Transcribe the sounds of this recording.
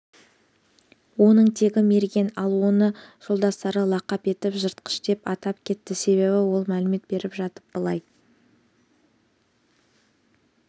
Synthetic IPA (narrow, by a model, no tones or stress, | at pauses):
wo̞nəɴt̪ʰe̞kʲɪme̞ɾɡʲe̞nɑlˠuənəʒ̥olˠd̪ɑst̪ɑɾəlˠɑqɑpe̞t̪ɪpʒəɾt̪̚qə̥ʃd̪e̞pɑt̪ɑp̚kʲʰe̞t̪ːɪse̞βe̞βɪwo̞lˠmælɪme̞t̪̚be̞ɾɪpʒɑt̪əp̚b̥əlˠɑj